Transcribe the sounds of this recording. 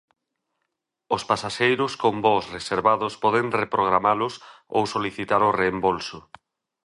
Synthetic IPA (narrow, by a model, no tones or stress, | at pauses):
ospasaʃejɾʊskombɔsreseɾβaðʊspɔðeŋrepɾoɣ̞ɾamalʊs | o̰wsoliθit̪aɾoreːmbolsʊ